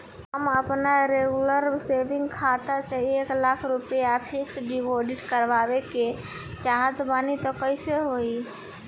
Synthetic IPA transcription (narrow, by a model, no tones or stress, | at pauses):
əməpnaɾeɡuləɾsebiŋɡkʰat̪aseeklakʰɾupjapʰiksɖiboɖiʈkəɾbabeke | t͡ʃaɦət̪banit̪ɔkəjseɦoi